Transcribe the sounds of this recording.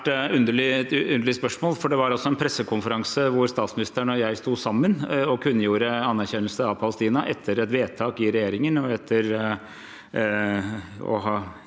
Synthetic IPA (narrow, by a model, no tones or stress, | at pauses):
ʈʉnd̪əɭɪʉnd̪əɭɪspœʂmoːlfɔɖɛʋɑɾɔsːɔɛnpʰɾɛsːəkʰʊnfəɾɑŋsəʋʊɾst̪ɑːt̪smɪnɪst̪əɳɔjæɪst̪uːsɑmːənɔkʰʉnːəjuːɾəɑnːæɾçɛnːəlsəɑʋpʰɑləst̪iːnɑʔɛt̪ʰːəɾɛt̪ʋeːt̪ʰɑːkɪɾɛjeːɾɪŋənɔɛt̪ʰːəɾ | ɔ̰ɦɑː